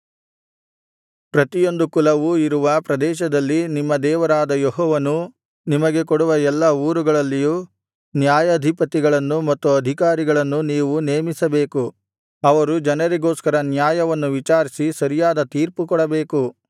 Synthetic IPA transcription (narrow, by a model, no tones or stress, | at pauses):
pɾɐt̪ijo̞nd̪ukulɐʋuiɾuʋɐpɾɐd̪ɛːʃ̬ɐd̪ɐlːinimːɐd̪ɛːʋɐɾaːd̪ɐjeɦɔːʋɐnu | nimɐɡe̞koɽuʋɐɛlːɐuːɾuɡɐɭɐlːijuː | njaːjɐːd̪ʱipɐt̪iɡɐɭɐnːumɐt̪ːuɐd̪ʱikaːɾiɡɐɭɐnːuniːʋune̞ːmisɐbe̞ːku | ɐʋɐɾud͡ʒɐnɐɾiɡo̞ːskɐɾɐnjaːjɐʋɐnːuʋit͡ʃaːɾisisɐɾijaːd̪ɐt̪iːɾpukɔɽɐbe̞ːku